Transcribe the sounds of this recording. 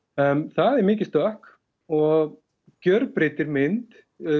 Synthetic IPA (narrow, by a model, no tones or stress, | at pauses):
mθaðɛɾmɪːc̬ɪst̪œhk | ɔɣ | cœɾpɾɪt̪ɪɾmɪnt̪